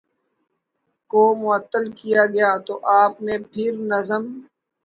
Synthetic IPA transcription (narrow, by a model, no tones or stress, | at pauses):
koːmʊət̪ːəlkijaːɡəjaːt̪oːʔaːpneːpʰɪɾnəzəm